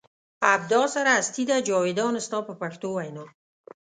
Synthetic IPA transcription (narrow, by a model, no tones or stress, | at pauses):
ab̚d̪ɑsaɾaːst̪id̪ad͡ʒɑwed̪ɑnɪst̪ɑpəpaxt̪owajnɑ